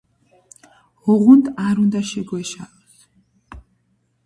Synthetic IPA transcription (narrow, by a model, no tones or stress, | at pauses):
hɔʁund̪aɾund̪aʃɛɡwɛʃaɔs